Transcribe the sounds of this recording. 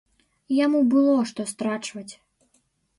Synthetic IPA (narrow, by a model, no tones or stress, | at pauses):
jamubɨlˠɔʂt̪ɔst̪ɾat͡ʂvɐt͡sʲ